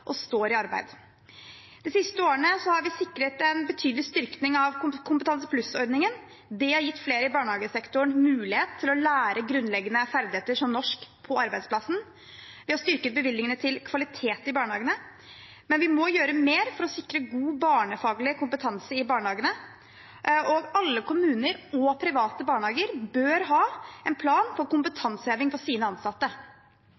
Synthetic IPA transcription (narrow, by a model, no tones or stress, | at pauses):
ʔɔst̪oːɾɪɑɾbæ̰ɪd̪ | d̪̥ɛsɪst̪əoːəɳəsɔhɑɾʋɪsɪkːɾət̪ɛnbət̪ʰyːd̪lɪst̪ʏɾknɪŋɑʋkʊkʰʊmpət̪ɑnsəpʰlʉsɔɾdnɪŋən | d̪ɛhɑɾjɪt̪ːfleːɾəɪbɑːɳəhɑːɡəsɛkt̪ʊɳmʉːlɪheːt̪ʰːɪlɔlæːɾəɡɾʉnːlɛɡːənəfæɾd̪ɪheːt̪əʂɔmnɔʂkpʰɔɑɾbæɪsplɑsn̩ | ʋɪhɑɾst̪ʏɾkət̪̚bəʋɪlːɪŋənət̪ʰɪlkʰʋɑlɪt̪ʰeːt̪ɪbɑːɳəhɑːɡənə | mɛnʋɪmɔjøːɾəmeːɾfɔɾɔsɪkɾəɡuːbɑːɳəfɑːɡlɪəkʰʊmpət̪ʰɑnsəɾɪbɑːɳəhɑːɡənə | ɔɡɑlːəkʰʊmʉːnəɾɔpʰɾɪʋɑːt̪əbɑːɳəhɑːɡəɾbøːɾɦɑːɛnpʰlɑːnfɔɾkʊmpət̪ʰɑnshøːʋɪŋfɔsiːnəɑnsɑt̪ːə